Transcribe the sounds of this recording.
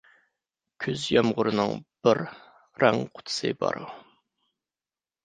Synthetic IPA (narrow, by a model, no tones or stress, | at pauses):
kʲʰyzjɑmʁʊɾɨnɨŋb̥ɪɾ | ɾɛŋqʰʊ̥t̪ʰɨ̥sɨ̰bɑ̰ɾṵ